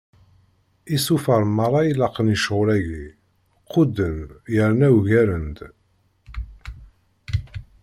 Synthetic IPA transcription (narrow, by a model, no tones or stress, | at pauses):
isufəɾˤmɑrˤːɑjilɑqːənəʃʁʊɾæʝi | qːʊd̪ənjəɾnæwʝæɾənd̪